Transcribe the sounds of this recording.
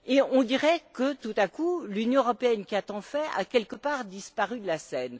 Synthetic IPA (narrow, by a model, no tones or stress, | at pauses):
eɔ̃d̪iʁɛkət̪ut̪akulynjɔ̃əʁɔpeɛnkʲiat̪ɑ̃fɛa̰kʲɛlkəpaːʁd̪ispaʁyd̪əlasɛn